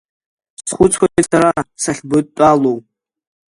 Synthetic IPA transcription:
sχʷʊt͡sʰχʷaɡesaɾasaχʲbɨt̚tʼalow

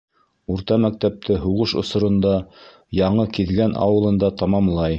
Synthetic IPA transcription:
uɾt̪ɑmæk̚t̪æp̚t̪ʰɘɦuʁɤʃŏ̰sŏɾŏnd̪ɑ | jɑɴɤkiðɡænʔɑ̰wɤ̆lˠɤ̆nd̪ɑt̪ɑmɑmlˠɑj

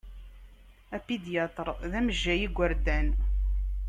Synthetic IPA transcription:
æpid̪jæt̪əɾˤðæməʒːæjiɡʷːəɾd̪æn

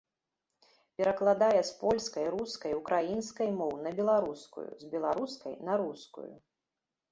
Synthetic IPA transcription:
pʲɛɾɐklˠad̪ajɛspɔlʲskɐjɾuskɐjukɾajinskɐjmɔwnɐbʲɛlˠaɾuskṵjṵzbʲɛlˠaɾuskɐ̰jnɐɾuskṵjṵ

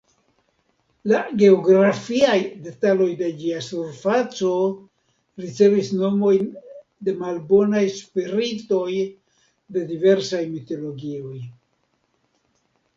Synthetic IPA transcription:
laɡe̞oɡɾafiajde̞talo̞jde̞d͡ʒiasuɾfat͡so̞ | ɾit͡se̞visno̞mo̞jn | de̞malbo̞najspiɾito̞j | de̞dive̞ɾsajmito̞lo̞ɡio̞j

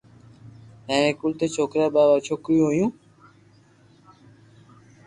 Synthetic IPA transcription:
ɛ̃nekult̪et͡ʃokɾababat͡ʃʰokɾiojũ

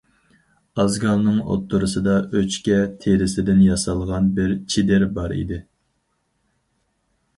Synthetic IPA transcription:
ɑzɡɑlˠnɨŋo̰t̪ʰːʊɾɨsɨd̪ɑʔøt͡ʃkʲɛt̪ʰeɾɪsɪd̪ɪnjɑsɑlˠʁɑnbɪɾt͡ʃʰid̪ɪɾbɑɾḭd̪ɪ

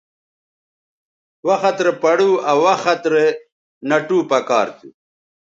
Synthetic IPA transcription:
wɐxɐt̪ɾepɐɽuawɐxɐt̪ɾe | nɐʈuːpɐka̰ːɾt̪ṵ

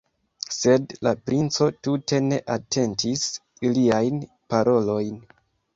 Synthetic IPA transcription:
se̞dlapɾint͡so̞tute̞ne̞ʔatʰe̞ntis | liajn | paɾʔo̞lo̞jn

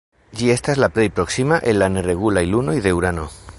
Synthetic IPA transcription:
d͡ʒie̞st̪azlaplejpɾo̞ksimaʔenlanere̞ɣulajluno̞jðe̞wɾano

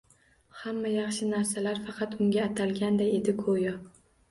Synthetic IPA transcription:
hamːajɑχʃɪnaɾsalaɾfɑqʰɑt̪ʊŋɡʲaːt̪ʰalɡʲand̪aje̞d̪ɪkʰojɒ

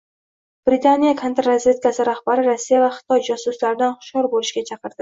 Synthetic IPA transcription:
b̥ɾit̪ʰanijakʰant̪ːazvʲe̞t̪̚kasɪɾahbaɾɪɾasːijavaχɪ̥t̪ʰɒjd͡ʒasʊslaɾɪd̪anχʊ̥ʃɒɾbolɪʃɡʲat͡ʃʰɑqʰɨɾd̪ɪ

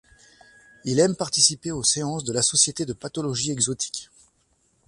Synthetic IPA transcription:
ilɛmpaʁt̪isipeoseɑ̃sd̪əlasɔsjet̪ed̪əpat̪ɔlɔʒiɛɡzɔt̪ʰi̥k

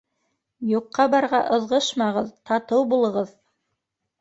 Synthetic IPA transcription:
juqːɑbɑɾʁɑʔɤ̆ðʁɤʃmɑʁɤðt̪ɑt̪ɤwbulˠɤ̆ʁɤð

